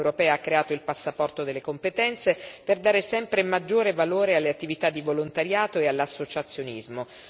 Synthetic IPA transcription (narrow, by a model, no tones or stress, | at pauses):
wɾopɛːaakːɾeaːt̪oilpasːapɔrt̪od̪elːekompet̪ɛnt̪seperd̪aːɾesɛmpɾemad͡ʒːoːɾevaloːɾealːeat̪ːivit̪ad̪ːivolont̪aɾjaːt̪oealːasːot͡ʃat̪sːjonizmo